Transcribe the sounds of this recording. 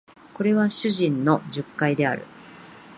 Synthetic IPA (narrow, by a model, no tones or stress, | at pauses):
ko̞ɾe̞β̞aɕɨʑĩnːo̞d͡ʑɨkːaid̪e̞a̰ɾɯ̟̰